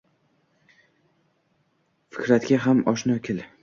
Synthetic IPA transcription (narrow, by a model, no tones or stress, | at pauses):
fɪ̥kʲɾat̪ɡʲaɦamɒʃnɒkʲʰɪl